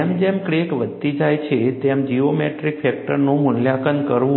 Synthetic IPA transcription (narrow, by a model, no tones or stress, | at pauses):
emd͡ʒemkɽekʋəd̪̚t̪id͡ʒajt͡ʃʰet̪emd͡ʒiomeʈɾikfɛk̚ʈəɾnũmʊnljakənkəɾʋũ